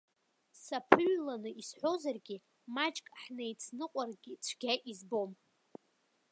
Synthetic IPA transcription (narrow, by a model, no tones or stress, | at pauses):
sapʰɨɥlanɨʔisħʷo̞zarɡʲi | mat͡ʃʼkʼħnejt͡sʰnɨqʷʼarɡʲit͡ɕʷʰɡʲaʔizbo̞m